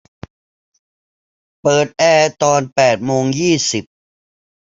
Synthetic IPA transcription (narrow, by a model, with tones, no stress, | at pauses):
pɤː˨˩t̪̚ʔɛː˧t̪ɔː˧npɛː˨˩t̪̚moː˧ŋjiː˥˩si˨˩p̚